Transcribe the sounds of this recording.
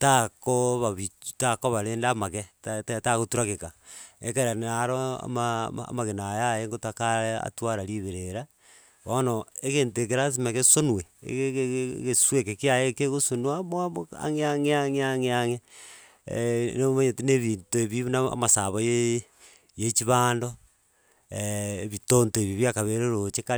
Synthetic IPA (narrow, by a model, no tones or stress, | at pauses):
takoβaβitakoβaɾeːndaːmaketataɣotuɾakekaḛkeɾanaɾoa̰maa̰maɣenajajeŋɡotakaea̰twaɾaɾiβeɾeɾa | βonoekeːntekeɾas̬imekesonwḛɣeswekekiajekeɣosonwamoaa̰ŋeaŋeaŋeaŋeaŋe | neomaɲetineβintoeβiβnaa̰masaβoje | jet͡ʃiβaːndo | βitontoeβiβjakaβeɾeɾot͡ʃeka